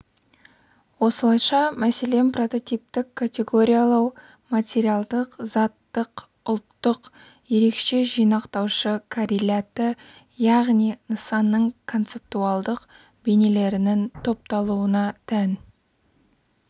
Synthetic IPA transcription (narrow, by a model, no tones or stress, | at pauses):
wo̞səlˠɑjʃɑmæse̞le̞mpro̞t̪o̞t̪ip̚t̪ɪkʰːatʲe̞ɡo̞ɾʲijalˠɑw | mat̪ʲe̞ɾijalˠd̪əqzɑt̪ːəq | ʊlˠt̪ːəq | je̞ɾe̞kʃe̞ʒijnɑqt̪ɑwʃəkʰaɾilʲat̪ə | jɑʁnijnəsɑnːəɴkʰo̞nt̪se̞p̚t̪uɑlˠd̪əq | be̞ne̞le̞ɾɪnɪnt̪ʰo̞p̚t̪ɑlˠuənɑt̪ʰæn